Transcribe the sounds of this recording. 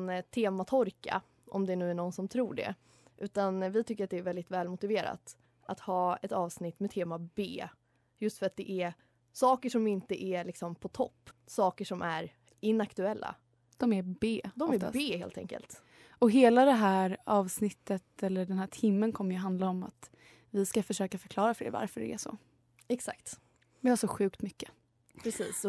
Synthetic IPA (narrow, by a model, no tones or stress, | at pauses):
nt̪ʰeːmat̪ʰɔɾka̰ | ʔɔ̰md̪ɛnʉ̟ːæɳɔnsɔmt̪ʰɾuːɖɛ̰ | ʔʉ̟ːt̪anvɪt̪ʰʏkːəɾat̪d̪ɛːɾvɛld̪ɪt̪vɛːlmʊt̪ɪveːɾa̰t̪ | ʔat̪hɑːɛt̪ɑːvsnɪt̪ːmɛt̪ʰeːmabeː | jɵst̪fœɾat̪̚d̪ɛʔæɾ | sɑːkəʂɔmɪnt̪əʔælɪksɔmpʰɔt̪ʰɔ̰pːsɑːkəʂɔmʔæɾ | ɪnːakt̪ɵɛlːa̰ | d̪̥ɔmæɾbeːd̪ɔmmæɾbeːhḛːlt̪ɛ̰ŋkə̰lt̪ | ɔɦeːlad̪ɛɦæːɾɑːvsnɪt̪ːət̪ɛlːəɖɛnhæːʈʰɪmːənkʰɔmːəɾjɵɦand̪laɔma̰t̪ | vɪskafœʂøːkafœɾkʰlɑːɾafœɾɛ̰va̰ɾfœɖɛ̰ɛ̰ʂɔ̰ | ɛksa̰kt̪ | vɪhaʂɔɧʉ̟ːkt̪mʏkːə̥ | pʰɾɛsḭːsɔ